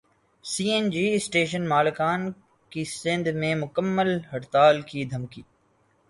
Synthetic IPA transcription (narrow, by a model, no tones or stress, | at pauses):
siːend͡ʒiːsʈeːʃ̬ənmaːlkaːn | kisɪ̃nd̪ʱmẽmʊkəmːəlɦɐʈt̪aːlkid̪ʱɐmkiː